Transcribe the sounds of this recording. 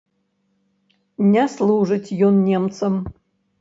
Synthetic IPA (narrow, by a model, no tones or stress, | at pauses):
nʲaslˠuʐɨtʲjonːʲemt̪sʰəm